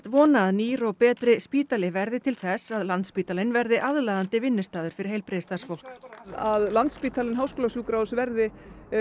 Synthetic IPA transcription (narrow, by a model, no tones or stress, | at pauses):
t̪vɔːnaðniːɾɔwpɛːt̪ɾɪspiːt̪alɪvɛɾðɪt̪ʰɪlθɛsaðlant̪spiːt̪alɪnvɛɾðɪʔaðlaðant̪ɪvɪnːʏst̪aːðʏɾ̥fɪɾɪ̥ɾheːjlpɾeːst̪ḁsfowl̥kaðlant̪spiːt̪alɪnɦaːwskoːlasuːkɾawsvɛɾðɪ